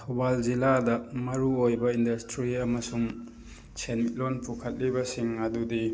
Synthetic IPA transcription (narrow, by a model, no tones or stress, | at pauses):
tʰobalziladɐmɐɾuojbɐindɐstɾiɐmɐsuŋ | sʰenmit̚lonpʰukʰɐt̚libɐsiŋɐdudi